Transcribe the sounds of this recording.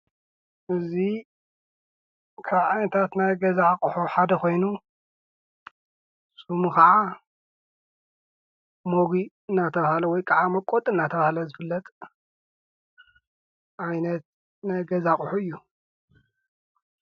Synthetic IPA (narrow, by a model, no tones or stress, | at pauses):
ʔɨzi | kʰaβʕajnɐt̪ʰat̪najɡɐzakʼuħuħad̪ɐko̞jnu | sumukɐʕa | moɡi | ɨnːat̪ʰɐβahlɐwɔjkʼaʕamɐkʼːot̪ʼɨnːat̪ʰɐβahalɐzɨfɨlːɐt̪ʼ | ʔajnɐt̪̚ | najɡɐzakʼuħuɨjːu